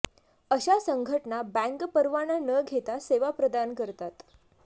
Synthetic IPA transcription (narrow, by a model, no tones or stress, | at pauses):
əɕasəŋɡʱəʈɳabæ̃ŋkpəɾʋananəɡʱet̪aseʋapɾəd̪ankəɾt̪at̪